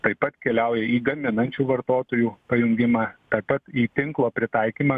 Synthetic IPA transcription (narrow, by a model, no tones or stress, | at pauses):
t̪ɐɪppɐt̪kʲɛlʲɛʊjɛiːɡɐmʲɪnɐnʲt͡ʃʲuːʋɐrt̪oːt̪oːjuːpɐjʊŋʲɡʲɪmɑːt̪ɐɪppːɐt̪iːt̪ʲɪŋklˠoːpʲɾʲɪt̪ɐɪkʲiːmɑː